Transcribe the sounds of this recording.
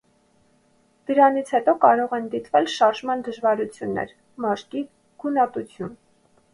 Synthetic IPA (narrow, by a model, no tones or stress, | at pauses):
d̪̥əɾɑnit͡sʰhɛt̪ɔkɑɾɔʁɛnd̪it̪vɛlʃɑɾʒmɑnd̪əʒvɑɾut͡sʰjunːɛ̰ɾ | mɑʃki | ɡ̥unɑt̪ut͡sʰjun